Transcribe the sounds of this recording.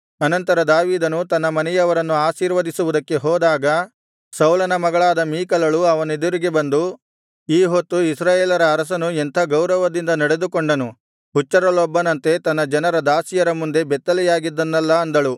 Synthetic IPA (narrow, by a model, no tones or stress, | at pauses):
ɐnɐnt̪ɐɾɐd̪aːʋiːd̪ɐnut̪ɐnːɐmɐnɛjɐʋɐɾɐnːuaːsiːɾʋɐd̪isuʋud̪ɐkːe̞ɦɔːd̪aːɡɐ | sɐwlɐnɐmɐɡɐɭaːd̪ɐmiːkɐlɐɭuɐʋɐned̪uɾiɡe̞bɐnd̪u | iːɦot̪ːuisɾaːjeːlɐɾɐːɾɐs̬ɐnuent̪ʰɐɡɐwɾɐʋɐd̪ind̪ɐnɐɽe̞d̪ukoɳɖɐnu | ɦut͡ʃːɐɾɐlɔbːɐnɐnt̪e̞t̪ɐnːɐd͡ʒɐnɐɾɐd̪aːsijɐɾɐmund̪e̞bɛt̪ːɐlɛjaːɡid̪ːɐnːɐlːɐɐnd̪ɐɭu